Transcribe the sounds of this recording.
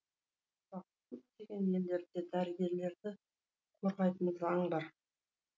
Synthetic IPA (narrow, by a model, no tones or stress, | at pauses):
zɑq̚kʲʰɵp̚t̪e̞ɡʲe̞nje̞ld̪e̞ɾd̪e̞d̪æɾɪɡʲe̞ɾle̞ɾd̪ɪ | kʰoɾʁɑjt̪ənzɑɴbɑɾ